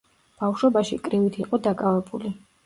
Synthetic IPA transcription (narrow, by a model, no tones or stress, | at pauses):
b̥afʃɔbaʃikʼɾivit̪ʰiqʼɔd̪akʼavɛbuli